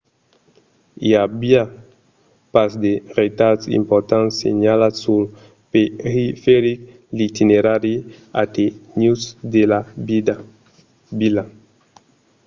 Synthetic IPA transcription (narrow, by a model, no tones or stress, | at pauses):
ḭabia | pasd̪eret̪atsḭmpoɾt̪ãnsḛɲalasul | peɾifeɾik̚ | lit̪ineɾaɾi | a̰t̪enusd̪ela | bila